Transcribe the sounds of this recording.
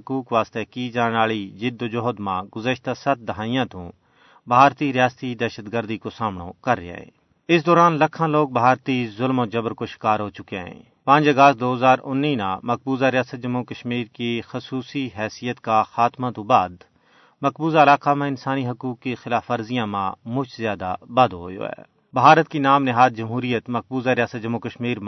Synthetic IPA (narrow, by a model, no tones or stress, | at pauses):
kuːkʋaːst̪ekid͡ʒaːneaːɭid͡ʒɪd̪od͡ʒoɦd̪mãɡʊzəʃt̪asɐt̪̚d̪ɐɦaːijãt̪õ̰ | bʱaːɾt̪iɾɪjaːst̪id̪ɛːʃəd̪ɡəɾd̪ikosaːmno̰kɐɾːḛḛ̃ː | ɪs̬d̪ɔːɾaːnlɐkʰãloːɡ̚bʱaːɾt̪izʊlmod͡ʒɐbɾkoʃɪ̥kaːɾɦoːt͡ʃʊkeɦɛ̰̃ː | pãːd͡ʒɐɡəst̪̚d̪oːɦəzaːɾʊnːinã̰mɐk̚buːzaɾɪjaːsət̪̚d͡ʒɐmːukəʃmiːɾkixɐsuːsiɦɛːsijət̪kaxaːt̪mãt̪obaːd̪ | mɐkbuːzaɪlaːkamẽɪnsaːniɦɐkuːkːexɪlaːfɐɾzijãmã̰mʊt͡ʃzjaːd̪a̰baːd̪oɦo̰ːjo̰ːɛ̰ː | bʱaːɾət̪̚kinaːmnɪɦaːd̪̚d͡ʒɐmɦuːɾijət̪mɐk̚buːzaɾɪjaːsət̪̚d͡ʒɐmːukəʃmiːɾm